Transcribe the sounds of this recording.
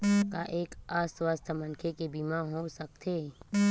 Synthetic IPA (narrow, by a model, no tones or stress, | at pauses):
kaʔeːkaːswaːst̪ʰəmənkʰekebiːmãɦosɐk̚t̪ʰeː